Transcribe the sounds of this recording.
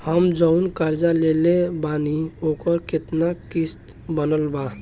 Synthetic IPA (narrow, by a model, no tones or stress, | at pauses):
həmd͡ʒəʊnkaɾd͡ʒalelebaniokəɾket̪nakist̪ | bənəlba